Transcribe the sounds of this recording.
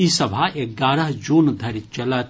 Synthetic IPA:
isɐbʱaeɡaːɾəɦd͡ʒuːnd̪ʱɐɾt͡ʃɐla

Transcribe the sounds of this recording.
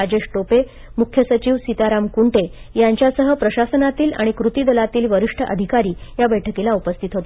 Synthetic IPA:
ad͡ʑeɕʈope | mukʰːjəsət͡ɕiːʋsit̪aɾamkuɳʈejaɲt͡ɕjasəɦəpɾəɕasənat̪iːla̰ɽ̃ikɾut̪iːd̪əlat̪iːlʋəɾiʂʈʰəʔə̰d̪ʱikaɾiːjabəjʈʰəkilaupəst̪ʰit̪ɦot̪e

